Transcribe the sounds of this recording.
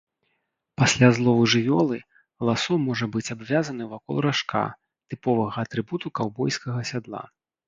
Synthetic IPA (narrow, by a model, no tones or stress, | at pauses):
pasʲlʲazlˠɔvɨʐɨvʲɔlˠɨ | lˠasɔmɔʐɐbɨt͡sʲabvʲazɐnɨwvakɔ̰lˠɾaʂkʰa̰ | t̪ɨpɔvɐɣɐːt̪ɾɨbut̪ukawbɔjskɐɣɐsʲad̪lˠa̰